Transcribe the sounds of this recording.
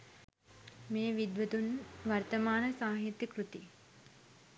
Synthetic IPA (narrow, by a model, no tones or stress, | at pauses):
meːʋid̪ʋət̪unʋɐrt̪əmaːnəsaːɦit̪jəkɾut̪i